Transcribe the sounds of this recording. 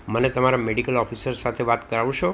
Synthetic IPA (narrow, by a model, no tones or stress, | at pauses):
mənet̪əmaɾameɽikəlɔfʰisəɾsat̪ʰeʋat̪kəɾaʋ̃ʃo